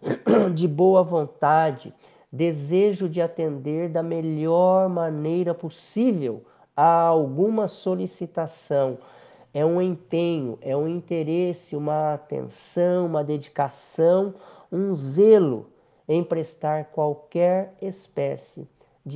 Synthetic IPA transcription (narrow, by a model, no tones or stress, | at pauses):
d͡ʒɪboɐvõnt̪ad͡ʒɪ̰ | d̪ezeʒʊd͡ʒɪat̪ẽnd̪eɾd̪ɐmeʎɔɾmãnejɾɐposivew | aawɡũmɐsolisit̪asɐ̃w̃ | ɛũẽpẽɲʊ̰ʔɛũĩnt̪eɾesɪũmɐat̪ḛ̃nsɐ̃w̃ũmɐd̪ed͡ʒikasɐ̃w̃ũzelʊ̰ | ẽj̃pɾest̪aɾkwawkɛɾespɛsɪ̰ | d͡ʒ